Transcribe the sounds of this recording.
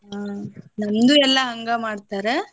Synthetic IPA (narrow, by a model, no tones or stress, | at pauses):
anɐnd̪uɛlːaɦɐŋɡamaːɽt̪aːɾɛ